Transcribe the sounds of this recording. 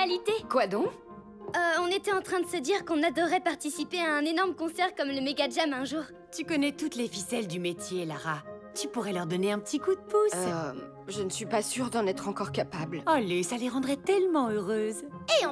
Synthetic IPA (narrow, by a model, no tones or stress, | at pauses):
alit̪ekwad̪ɔ̃k | ɔ̃net̪ɛɑ̃t̪χɛ̃d̪əsəd̪iʁkɔ̃nad̪ɔʁɛpaʁt̪isipeaɛ̃nenɔʁməkɔ̃sɛʁkɔmləmeɡad͡ʒamɛ̃ʒuʁ | t̪ykɔnɛt̪ut̪lefisɛld̪ymet̪jelaʁa | t̪ypuʁɛlœʁd̪ɔneɛ̃pət̪ikud̪əpus | ʒənəsɥipasyʁd̪ɑ̃nɛt̪χɑ̃kɔʁkapablalesaleʁɑ̃d̪ʁɛt̪ɛlmɑ̃øʁøzẽ